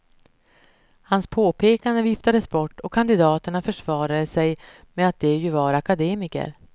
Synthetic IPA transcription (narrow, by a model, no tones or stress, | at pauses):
hanspʰoːpʰeːkand̪əvɪft̪ad̪əsbɔʈːɔkʰːand̪ɪd̪ɑːt̪əɳafœʂvɑːɾad̪əsɛj | mɛat̪̚d̪ɛjɵvɑːɾakad̪eːmɪkə̰ɾ